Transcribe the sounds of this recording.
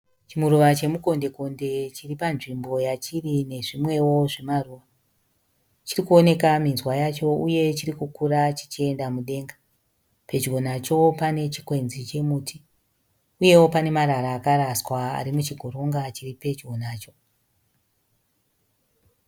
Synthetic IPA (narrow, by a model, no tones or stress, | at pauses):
t͡ʃimuɾuʋat͡ʃe̞muko̞nde̞ko̞nde̞t͡ʃiripanʐimbo̞jat͡ʃirine̞ʐimwe̞wo̞ʐe̞maruʋa | t͡ʃirikuo̞ne̞kaminzwajat͡ʃo̞uje̞t͡ʃiɾikukurat͡ʃi̥t͡ʃie̞ndamuɗe̞ːŋɡa | pe̞d͡ʒɡʱo̞nat͡ʃo̞pane̞t͡ʃi̥kwe̞nzit͡ʃe̞muːti | uje̞wo̞pane̞maɾaɾaːkaɾaswaa̰ɾimut͡ʃiɡʱo̞ɾo̞ŋɡat͡ʃiripe̞t͡ʃɡo̞naːt͡ʃo̞